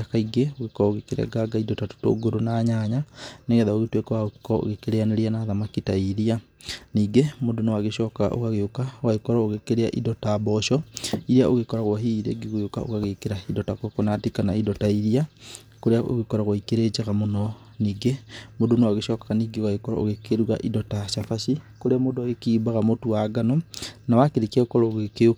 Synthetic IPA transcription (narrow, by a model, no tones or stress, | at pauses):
kaiɡeoɣekɔɾɔoɣekeɾea̰ɡaɡaidɔtato̥to̰ːɡoɾonaːɲaɲaneɣɛðaoɣetwekɔwakɔo̰ɣekeɾeaneɾeanaːðamakitaiɾia | niːɡemodonowaɣeʃɔka̰ʔo̰kaɣeokawaekɔɾɔoɣekeɾeaʔḭdɔtaːbɔʃɔiɾiaʔoɣekɔɾaɣwaɦiɾeɡiɣojoka̰ʔo̰kaɣekeɾaidɔtakɔkɔnatikanaidɔtaiɾia | koɾeao̰ɣekɔɾaɣwaikeɾed͡ʒaɣamonɔ | niːɡemodonawaɣeʃɔkaɣaniːɡewaikɔɾɔ̰o̰ɣekeɾuwa̰ʔidɔtaʃafaʃikoɾeamodoaɣekiːbaɣamotuwaɡanɔnawakeɾekiaokɔɾɔoɣekeo